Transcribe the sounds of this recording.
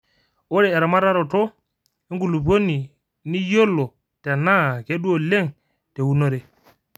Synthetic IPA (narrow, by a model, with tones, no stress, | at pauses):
o˦ɾe˨e˨ɾa˨ma˦ɾa˦ɾo˨to˦ | i˦ŋɡu˨lu˨b̬o˦nːi˨ | ni˦jo˦lːo˨ | te˨na˦ke˦ɗu˦o˨le˦ŋ | te˨wu˦no˦ɾe˨